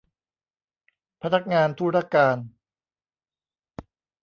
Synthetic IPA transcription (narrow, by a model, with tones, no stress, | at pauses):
pʰa˧na˦˥k̚ŋaː˧nt̪ʰuː˥˩ɾaː˦˥˩kːaː˧n